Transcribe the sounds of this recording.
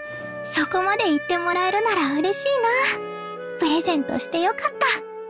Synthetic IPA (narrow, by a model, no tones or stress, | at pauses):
so̞ko̞mad̪e̞it̪ːe̞mo̞ɾaeɾɯ̟naɾaɯ̟ɾe̞ɕiːna | pɯ̟ɾe̞zẽ̞nt̪o̞̰ɕi̥t̪e̞jo̞kat̪ːa